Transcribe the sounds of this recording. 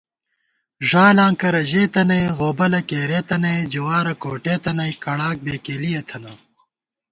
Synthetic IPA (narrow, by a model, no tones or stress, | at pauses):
ʐaːlãːŋkɐɾɐʑeːt̪ɐnɐjɣoːbɐlɐkeːɾeːt̪ɐnɐjd͡ʑuwaːɾɐkoːʈeːt̪ɐnɐjkɐɽaːk̚beːkeːlijɐt̪ʰɐnɐ